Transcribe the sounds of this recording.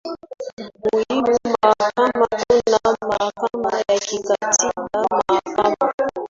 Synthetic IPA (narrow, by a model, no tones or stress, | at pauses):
mujimumakamaɡunamakamajakikativamakama